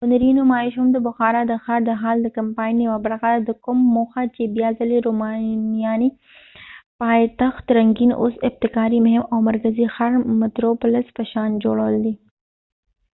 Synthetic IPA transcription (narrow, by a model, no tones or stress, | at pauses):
ʊnɐɾinʊmaːɪʃʊmd̪əbʊxaːɾad̪əxaɾd̪əɦaːld̪əkɐmpaːjnːiwabaɾɣad̪d̪əkʊmːoxat͡ʃebijaːzɐliɾomanijaːni | paːjt̪axt̪ɾɐŋɡino̰sɪb̚t̪ɪkaːɾimʊɦɪmawmɐɾkəzixaɾmɪt̪ɾopʊləspəʃaːnd͡ʒoɽawəld̪i